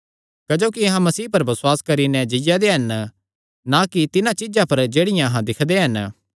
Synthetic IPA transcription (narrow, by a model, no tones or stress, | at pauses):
kɐd͡ʒoːkiɐɦãmɐsiːpɐɾbɐswaːskɐɾinɛ̃d͡ʒɪjad̪eɦɐn | nakit̪ɪnãt͡ʃɪd͡ʒãpɐɾd͡ʒeːɽɪjãɐɦãd̪ɪkʰd̪eɦɐn